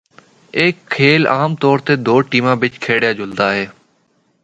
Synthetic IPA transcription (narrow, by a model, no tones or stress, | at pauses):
eːkʰːeːla̰ːmt̪ɔːɾt̪eːd̪oːʈiːmãːbɪt͡ʃkʰeːɽjaːd͡ʒʱʊld̪aːɦeː